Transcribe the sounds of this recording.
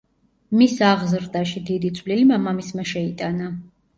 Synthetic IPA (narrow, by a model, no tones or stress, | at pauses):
misaʁzɾd̪aʃid̪id̪it̪sʼʰvlilmamamismaʃɛit̪ʼana